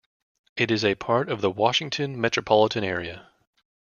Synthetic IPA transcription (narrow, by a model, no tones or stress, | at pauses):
ʔɨɾɨzɨpʰɑɹɾʌvðəwɑʃɪ̃ŋtʰɨ̃nmɛt͡ʃɹ̥ɨpʰɑlˠəɾɨ̃ñɛɹiɨ